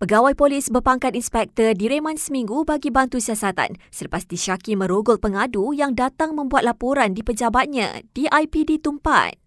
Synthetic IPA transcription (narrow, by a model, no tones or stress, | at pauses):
pəɡawajpolisbərpaŋkat̪inspɛk̚t̪ərdiɾemãnsəmĩŋɡubaɡibant̪usiasat̪a̰nsərpast̪iʃakimə̃ɾoɡʊt̪̚pəŋadujaŋdat̪aŋmə̃mbuat̪̚lapoɾandipəd͡ʒabat̪̚ɲã̰d̥iʔajpidit̪umpa̰t̪̚